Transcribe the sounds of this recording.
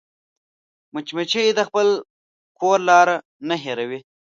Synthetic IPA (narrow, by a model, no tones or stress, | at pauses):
mət͡ʃmet͡ʃejd̪əxpəl | kʰoːɾlɑːɾa | naɦeɾawi